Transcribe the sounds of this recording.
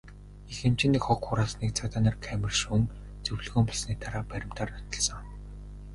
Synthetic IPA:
ixĕm̥t͡ɕĭniːkχɔkxʊɾaːsniːk̚t͡sʰat̪aːnaːrkʰæmʲɘ̆rʃuŋ | t͡sɵwɮɵɣɵːmpɔɮsniːt̪ʰaɾaːpæɾʲɪ̆m̥t̪ʰaːrnɔ̥t̪ɞ̆ɮsɞ̆ŋ

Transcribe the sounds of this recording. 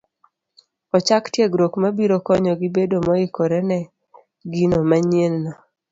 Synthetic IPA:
ɔt͡ʃaktjeɡɾokmabiɾokɔɲɔɡibedomɔɪkoɾɛnɛ | ɡinomaɲelna

